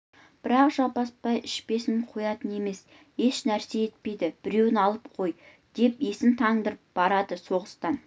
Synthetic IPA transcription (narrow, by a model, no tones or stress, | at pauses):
b̥ɪɾɑqʒɑpɑspɑjɪʃpe̞sɪŋqʰojɑt̪əne̞me̞s | he̞ʃnæɾse̞e̞t̪̚pe̞jd̪ɪb̥ɪɾe̞wɪnɑlˠəp̚qʰo̞j | d̪̥e̞pesɪnt̪ʰɑɴd̪əɾəp̚b̥ɑɾɑd̪əso̞ʁəst̪ɑn